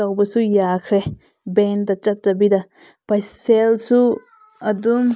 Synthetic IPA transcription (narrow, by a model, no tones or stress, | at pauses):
awbɐsujakʰɾe | bendɐt͡ʃat̚zabida | pajselsu | ɐdum